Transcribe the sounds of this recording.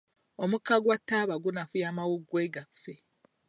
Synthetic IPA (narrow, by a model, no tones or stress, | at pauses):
omukaɡwatːaːβaɡunafujaːmawuɡːweɡafːe